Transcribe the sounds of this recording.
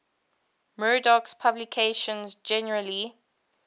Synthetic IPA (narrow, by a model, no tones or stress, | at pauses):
mɜɹdɔkspʰablikʰeʃə̃nzd͡ʒɛnəɹəli